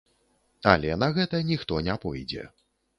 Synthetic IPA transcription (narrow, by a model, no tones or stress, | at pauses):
alʲɛnɐɣɛt̪ɐnʲixt̪ɔnʲapɔjd͡zʲɛ̰